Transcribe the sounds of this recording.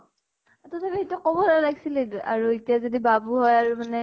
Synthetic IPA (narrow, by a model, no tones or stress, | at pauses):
atɔtʰapietuakɔbɔlalakʰi̥sileda̰ɹuetijazodibabuɦɔjaɹumanɛ